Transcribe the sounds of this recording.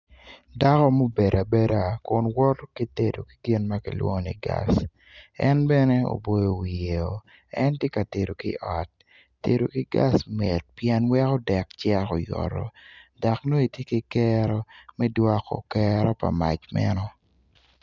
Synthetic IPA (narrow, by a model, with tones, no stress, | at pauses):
da˦kɔ˦mo˦be˨ɾa˨be˦ɾa˦˨kʊ˦nwɔ˦tki˦te˨do̰˨ki̥˨ɡɪ˦nma˦kḭ˨lwɔ̰˦˨nḭ˨ɡa̰˦s | ɛ˦nbɛ˦ne˦o̰˨bo˦jo˦wi˨je˨o˨ | ɛ˦ntje˦ka˨te˨do˨ki˦ʔɔ˨t̚ː | ḛ˨ɾo˨ki˦ɡa̰˦sme˨t̚pjɛ˦nwɛ˦kɔ˦dɛ˨kt͡ʃɛ˦ɾo˨jɔ̰˨ɾɔ̰˨da˨kno˦i˨tje˦ki˦kɛɾɔ˦mɛ˦dwɔ˦kɔ̰˨kɛɾɔ˦pa̰˨ma̰˨t͡ʃmɛ̰˦nɔ˦